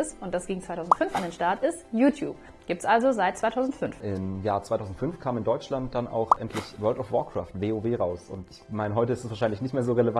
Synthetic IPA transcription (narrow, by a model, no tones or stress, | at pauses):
ɪsʊnt̚d̥asɡ̥iːɡŋ̩t͡ssvaɪtʰaʊzn̩tfʏnfʔandeːnʃtaɐtʔɪstjuːtjṵːp | ɡ̥iːp̚tsʔalzozaɪt̚t͡sv̥aɪtʰaʊzn̩tfʏnfʔɪmjaːɐt͡sv̥aɪtʰaʊzn̩tfʏnfkʰaːmɪndɔʏt͡ʃlant̚d̥ana̰ʊxʔɛntʰlɪçvœːɐltɔfvɔɐkʁ̥a̰ːftv̥eːoːveːʁaʊsʊ̰ntɪçmaɪnəɦɔʏtəɪstɛsv̥aɐʃaɪnlɪçnɪçtmeːɐzoːʁeləva